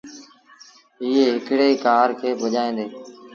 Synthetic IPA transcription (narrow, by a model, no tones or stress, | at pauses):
ɪːeːɦɪkɽeːiːkaːɾkʰeːbəʄaːẽːnd̪eː